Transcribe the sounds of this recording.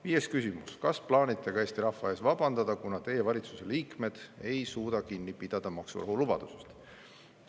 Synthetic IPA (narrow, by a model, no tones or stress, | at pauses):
viːje̞skysimuskɑsplɑːnʲit̪ʰːˑe̞ɡ̥ɑe̞ːst̪iɾɑhvɑe̞ːsvɑb̥ɑnd̪ɑd̪̥ɑkunɑt̪e̞je̞vɑlʲit̪su̥se̞liːkme̞d̪̥e̞jsuːd̪ɑkinʲːipid̪̥ɑd̪̥ɑmɑksṵrɑ̰ɦulub̥ɑ̰d̪̥use̥st̪